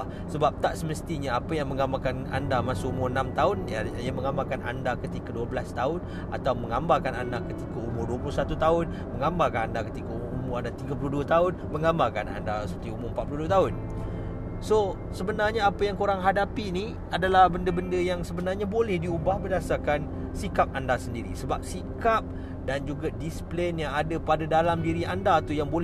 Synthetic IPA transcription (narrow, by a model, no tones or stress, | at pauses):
səbap̚t̪aʔsəməst̪iɲaapəjaŋmə̃ŋɡambalkana̰ndamasʊumʊrənãmt̪aʊnjajaməŋambalkanʔa̰ndakət̪ikaduəbəlast̪aʊn | a̰t̪awməŋambalkanandakət̪ikaumʊrduəpulʊsat̪ut̪aʊn | məŋambalkanandakət̪ikauumʊrandat̪iɡapuluhduət̪aʊnmə̃ŋɡambakana̰ndasəpərt̪iumʊmpat̪̚pluhduət̪aʊn | so | səbənarɲaapəjaŋkoɾaŋɦadapini | adalahbəndəbəndəjaŋsəbənarɲabolɛhdiubahbərdasarkan | sikap̚andasəndiɾḭsəbap̚sikap̚ | dand͡ʒuɡadisplenjaŋadapadadalambiɾiandaːt̪ujaŋbol